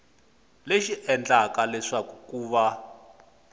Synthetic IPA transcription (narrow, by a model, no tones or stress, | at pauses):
leʃiʔɛnd͡ɮakalɛʂakukuːβa